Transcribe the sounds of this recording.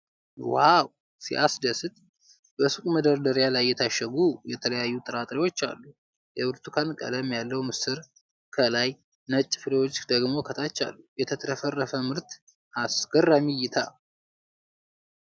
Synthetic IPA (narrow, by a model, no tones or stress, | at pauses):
waw | sḭʔasd̪əsɨt̪ʼ | b̥əsukʼməd̪əɾd̪əɾjalajːɛt̪ʰaʃːəɡujɛt̪ʰələjajːut̪ʼɨɾat̪ʼɾiwo̞t͡ʃːa̰lːu | jɛbɨɾt̪ʰukʰankʼə̰d̪əmjalːəwmɨsɨɾ | kʰəlaj | nət͡ʃʼːɪfɨɾewo̞t͡ʃːd̪əɡmo̞kʰət̪ʰat͡ʃːa̰lːujɛt̪ʰət̪ʰɾəfərːəfəmɨɾt̪ | asɡ̥ərːamijɪt̪ʰa